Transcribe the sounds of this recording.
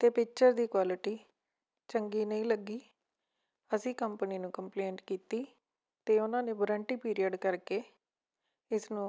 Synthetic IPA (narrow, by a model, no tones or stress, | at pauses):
t̪eːpɪk̚t͡ʃəɾd̪iːkwaːlɪʈiː | t͡ʃəŋɡiːnəĩːləɡiː | əsĩːkəmpəniːnũːkəmpleːɳʈkiːt̪iː | t̪eːʊnãːneːbɾə̃ːɳʈiːpiːɾijəɖkəɾkeː | ɪsnũː